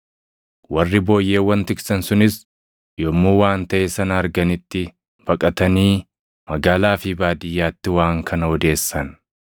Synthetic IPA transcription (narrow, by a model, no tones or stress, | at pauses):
wɐrːɪbo̞ːjːe̞ːwːɐnt̪ɪksɐnsʊnɪs | joːmːuːwaːnt̪ɐʔɛsɐnɐːɾɡɐnɪt̪ːɪ | b̥ɐkʼɐt̪ɐniː | mɐɡaːlaːfɪbaːd̪ɪjːaːt̪ːɪwaːŋkʰɐnɐɔd̪e̞ːsːɐn